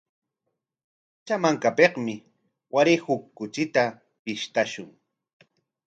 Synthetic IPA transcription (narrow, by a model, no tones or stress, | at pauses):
t͡ʃamaŋkapeqmɪ | waɾɪhʊkːʊt͡ʃɪt̪a | pɪʃt̪aʃʊŋ